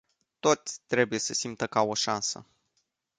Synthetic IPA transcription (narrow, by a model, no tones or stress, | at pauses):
t̪o̞t̪sʲt̪ɾe̞buje̞səsimt̪əkao̞ʃansə̰